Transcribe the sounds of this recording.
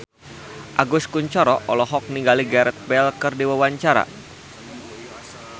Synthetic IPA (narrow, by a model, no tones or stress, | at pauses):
ʔaɡʊskuɲt͡ʃɔɾɔʔɔlɔɦɔk̚niŋɡaliɡaɾɛt̪̚bɛlkərdiwawaɲt͡ʃaɾa̰